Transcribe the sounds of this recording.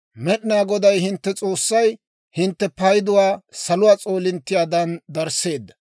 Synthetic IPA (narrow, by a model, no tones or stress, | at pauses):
mɛɗɪnaːɡɔd̪ɐjhɪnt̪ːɛt͡sʼo̞ːsːɐj | hɪnt̪ːɛpɐjd̪ʊwaːsɐlʊwaːt͡sʼo̞ːlɪnt̪ːɪjaːd̪ɐnd̪ɐɾse̞ːd̪ːɐ